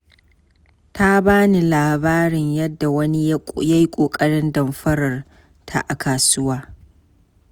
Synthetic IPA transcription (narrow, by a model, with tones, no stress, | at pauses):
ta˦baː˦ni˨laː˨baː˦ɽɪ˨ɲjɐ˦dːa˨wɐ˦ni˦ja˦jkʷʼoː˨kʼɐ˦ɽɪ˦ndɐ˨mɸɐ˦ɽɐ˨r | tʰa̰˨ʔa˨kaː˨sʊ˦waː˦